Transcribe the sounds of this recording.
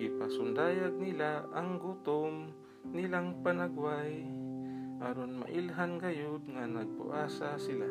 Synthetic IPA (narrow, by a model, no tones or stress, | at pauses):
ɡipasʊnd̪aːjaɡ̚nilaʔaŋɡut̪ʊm | nilaŋpanaɡwaj | ʔaɾonma̰ʔɪlɦanɡajod̪̚ŋanaɡ̚pʊ̰ʔaːsasɪla